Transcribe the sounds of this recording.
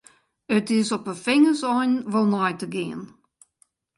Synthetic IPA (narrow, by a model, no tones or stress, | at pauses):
ətɪsɔpəfɪŋəsɔnvɔlˠnɔjtəɡeːn